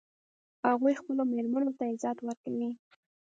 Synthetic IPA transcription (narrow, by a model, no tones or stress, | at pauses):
haɣujxpəlomeɾmanot̪aɪzɑt̪waɾkawi